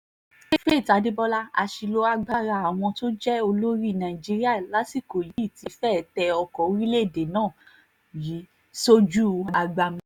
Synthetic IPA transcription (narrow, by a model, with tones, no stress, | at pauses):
e˦fe˦˨ta˨˧˦de˦bɔ˦la˦a˧ʃi˧lo˦a˧ɡ͡ba˦ɾa˧˨a˨w̃ɔ̃˧to˦d͡ʒɛ˦o˧lo˦ɾi˦˨nã˨ĩ˨d͡ʒi˧ɾi˦a˦˨la˨˦si˦˨ko˨ji˨˦i˦˨ti˨˧˦fɛ˦˨tɛ˧ɔ˧kɔ˨˦ɾi˦le˦˨de˨nãː˦˨ | ji˨˦ | so˦d͡ʒu˦˧a˧ɡ͡ba˧mĩ˧